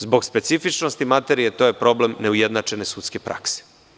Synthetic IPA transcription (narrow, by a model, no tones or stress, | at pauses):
zbo̞ɡspe̞t̪sifit͡ʃno̞st̪imat̪e̞ɾijet̪o̞jepɾo̞ble̞mne̞ujed̪nat͡ʃe̞ne̞sut̪ske̞pɾʔa̰kse̥